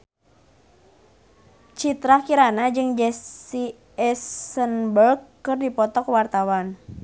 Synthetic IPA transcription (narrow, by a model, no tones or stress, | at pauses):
t͡ʃit̪ɾakiɾanad͡ʒɨŋd͡ʒɛsi | ɛsənbərkː | ɨrdipɔt̪ɔkwart̪awan